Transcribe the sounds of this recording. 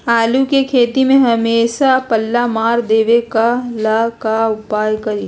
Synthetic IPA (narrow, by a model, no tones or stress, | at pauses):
aːlukekʰeːt̪imẽɦɐmeːʃapɐlːamaːɾd̪eːʋekalakaʊpaːjkɐɾiː